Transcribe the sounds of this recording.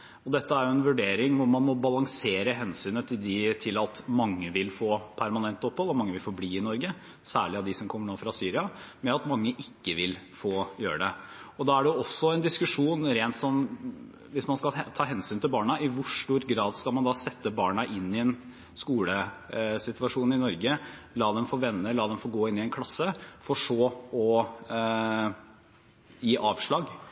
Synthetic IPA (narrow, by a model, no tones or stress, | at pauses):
ɔd̪ɛt̪ːəæɾjʊɛnʋʉɖeːɾɪŋʋʊɾmɑnmɔbɑlɑŋseːɾəɦɛnsyːnət̪ʰɪd̪ɪt̪ʰɪlɑt̪mɑŋːəʋɪlfoːpʰæɾmɑnɛnt̪ɔphɔlːɔmɑŋːəʋɪlfobliːɪnɔɾɡə | sæ̰ːɭɪɑd̪ɪsɔmkʰɔmːəɳoːfɾɑsyːɾɪɑmɛɑt̪mɑŋːəʔɪkːəʋɪl | foːjøːɾəɖɛɔd̪ɑæɖɛjʊɔsːɔɛnd̪ɪskʉʂuːnɾeːnt̪sɔm | ʋɪsmɑnskɑlt̪ʰɑːɦɛnsyːnt̪ʰɪlbɑːɳɑʔɪʋʊʂʈuːɾɡɾɑːd̪skɑlmɑnd̪ɑːsɛt̪ːəbɑːɳɑʔɪnːɪɛn | skuːləsɪt̪ʋɑʂuːnɪnɔɾɡə | lɑːd̪ɛmfɔʋɛnːəlɑːd̪ɛmfɔːɡoːɪnːɪɛnkʰlɑsːəfɔʂoːɔ | jiːʔɑːʋʂɭɑːɡ